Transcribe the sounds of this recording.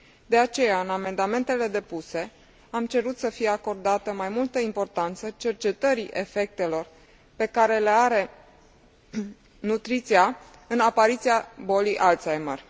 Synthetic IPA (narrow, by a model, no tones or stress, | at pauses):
d̪e̞at͡ʃe̞jaɨname̞nd̪ame̞nt̪e̞le̞d̪e̞puse̞ | amt͡ʃe̞ɾut̪səfije̞ako̞rd̪at̪əmajmult̪əimpo̞rt̪ant̪sət͡ʃe̞rt͡ʃe̞t̪əɾiʔe̞fe̞k̚t̪e̞lo̞r | pe̞kaɾe̞le̞aɾe̞ | nut̪ɾit̪sia | ɨnapaɾit̪siabo̞liʔalt̪sajmərʲ